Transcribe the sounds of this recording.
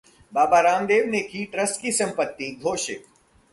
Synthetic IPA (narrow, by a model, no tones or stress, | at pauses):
baːbaɾaːmd̪eːʋnekiʈɾəsʈkisɐ̃mpət̪ːiɡʱoːʃɪk